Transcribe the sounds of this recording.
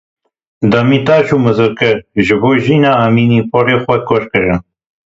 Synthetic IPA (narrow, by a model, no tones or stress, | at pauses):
d̪ɐmiːt̪aːʃuːmɨzɨɾkɨɾʒɨboːʒiːnaːamiːniːpɔɾeːxʷɐkɔʃkɨɾɨn